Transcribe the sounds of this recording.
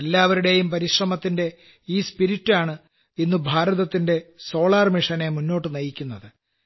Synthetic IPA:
elːaːʋɐɾuɽe̞jumpɐɾiɕrɐmɐt̪ːinde̞ | iːspiɾiʈːaːɳɨ | inːubʱaːɾɐðɐt̪ːinde̞so̞ːɭaːrmiʂɐne̞munːo̞ːʈːɨnɐjikʲːunːɐðɨ

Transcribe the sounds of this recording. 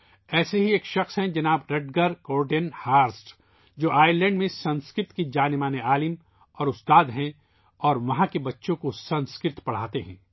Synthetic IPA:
ɛːseɦieːkʃɐxsɦɛ̃d͡ʒɐnaːbɾɐɖɡəɾkoːɾɖenhaːɾsʈ | d͡ʒoːʔaːɪɾlɛ̃ːɳɖmẽsɐ̃nskɾɪɾt̪kid͡ʒaːnɪmaːneaːlɪm | ɔːɾʊst̪aːd̪ɦɛ̃ | ɔːɾʋɐɦãkebɐtːʃõkosɐ̃nskɪt̪pɐɽ̤aːt̪eɦɛ̰̃ː

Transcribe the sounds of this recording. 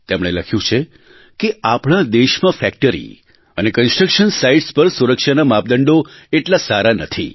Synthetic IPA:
t̪emɽ̃eləkʰjũt͡ʃʰe | keapɽad̪eʃmãfɛk̚ʈəɾḭ | ənekənsʈɾəkʃənsaiɖspəɾsuɾəkʃanamap̚d̪əɳɖoeʈlasaɾanət̪ʰḭ

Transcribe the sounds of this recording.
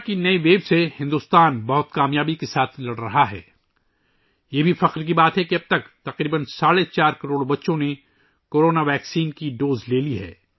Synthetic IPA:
kinɐiʋeːbsehɪ̃nd̪uːst̪aːnbɐɦʊt̪kaːmjaːbikesaːt̪ʰlɐɽɾɐɦaɦɛ̰ː | jeːbʱifɐqɾk̬ibaːt̪ɦɛkiɐb̚t̪ɐkt̪ɐqɾiːbənsaːɽet͡ʃaːɾkɐɾoːɽbɐtːʃõne | koːɾoːnaʋɛːksiːnkiɖoːzleːliɦɛ̰ː

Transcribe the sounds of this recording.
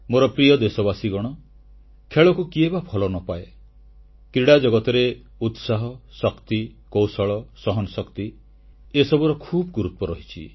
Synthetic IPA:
moɾɔpɾijɔd̪esɔbasiɡɔɽ̃ɔ | kʰeɭɔkukiebapʰɔlɔnɔpae | kɾiɽad͡ʒɔɡɔt̪ɔɾe | ut̪saɦɔsɔkt̪ikowsɔɭɔsɔɦɔnɔsɔkt̪i | esɔbuɾɔkʰuːbɔɡuɾut̪ɔɾɔɦit͡ʃʰḭ

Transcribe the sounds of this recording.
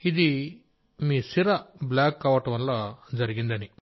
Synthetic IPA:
id̪i | miːsiɾɐblaːkːɐʋɐʈɐʋɐnlaːd͡ʒɐɾiɡind̪ɐni

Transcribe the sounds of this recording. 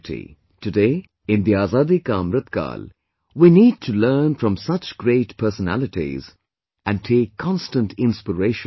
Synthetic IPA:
tḭ | tɨdeː | ɪ̃nd̪iaːzaːd̪ikãmɾət̪ka̰ːl | winiːd̚tʰuləːnfɾʌ̃msʌt͡ʃɡɾeːʈpʰəːsənæ̰lɪʈḭz | ʔæ̃n̚tʰeːkʰːɔ̃nstə̃ntʰɪ̃nspəɾeɪʃ

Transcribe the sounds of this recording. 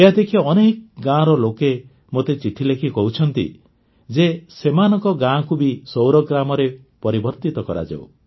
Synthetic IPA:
eɦad̪ekʰiɔnekɡãɾɔloke | mot̪et͡ʃiʈʰilekʰikɔɦut͡ʃʰɔnt̪ḭ | d͡ʒesemanɔŋkɔɡãkubisowɾɔɡɾamɔɾe | pɔɾibɔɾt̪it̪ɔkɔɾa̰d͡ʒa̰w

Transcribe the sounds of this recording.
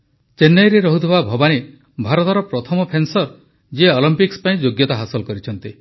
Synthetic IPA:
t͡ʃenːejɾeɾɔɦut̪ʰiβabʱɔbane | bʱaɾɔt̪ɔɾɔpɾɔt̪ʰɔmɔpʰensɔɾ | d͡ʒeɔlimpikspaĩd͡ʒoɡjɔt̪aɦasɔlkɔɾit͡ʃʰɔnt̪i

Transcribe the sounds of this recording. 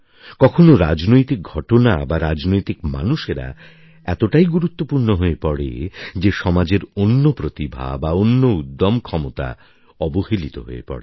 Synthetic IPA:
kɔkʰonoɾad͡ʑnojt̪ik̚ɡʱɔʈonabaɾad͡ʑnojt̪ikma̰nuʃeɾa̰ | ɛt̪oʈajɡuɾut̪ːopuɾnoɦoepɔɽḛd͡ʑeʃɔmad͡ʑeɾonːopɾot̪ibʱa̰baonːoud̪ːomkʰɔmot̪a̰ | ɔbohilit̪o̰ɦo̰ḛpɔ̰ɽe

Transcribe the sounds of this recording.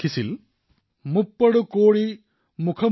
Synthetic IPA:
isil | mupːɐɽukoːɽi | mukʰɐ

